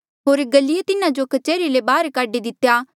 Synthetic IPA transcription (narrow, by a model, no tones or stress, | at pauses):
ɦoːɾɡɐlːɪjet̪ɪnãd͡ʒokɐt͡ʃeːɾilebaːɾkaːɖid̪ɪt̪ːjaː